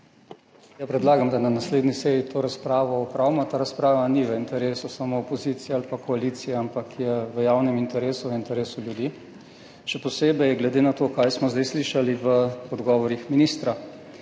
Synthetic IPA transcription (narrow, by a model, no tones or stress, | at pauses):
japɾɛd̪laːɡamd̪ananasleːd̪nisɛjit̪ʰoːɾaspɾaːʋɔɔpɾawmɔt̪aːɾaspɾaːʋaniʋəint̪ɛɾeːsusamoːpɔziːt̪sijɛalpakɔaliːt̪sijɛampakʰjɛʋəjawnɛmint̪ɛɾeːsuʋəint̪ɛɾeːsuljud̪i | ʃɛpɔseːbɛjɛɡlɛd̪enat̪oːkajsmɔzd̪ɛjsliʃaliʋəɔd̪ɡɔːʋɔɾixminiːst̪ɾa